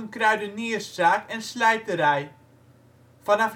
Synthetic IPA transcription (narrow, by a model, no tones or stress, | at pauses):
ənkrœɥdəniəssaːkɛnslɛjtəɾɛj | fɑnɑf